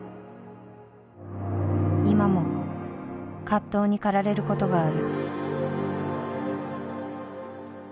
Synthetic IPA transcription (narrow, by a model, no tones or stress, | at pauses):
imamo̞ | kat̪ːo̞ːɲ̟ikaɾaɾe̞ɾɯ̟ko̞t̪o̞ɡaːɾɯ̟